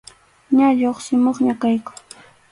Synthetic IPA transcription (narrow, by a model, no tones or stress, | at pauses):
ɲaʎoχsɪmoχɲakajkʊ̥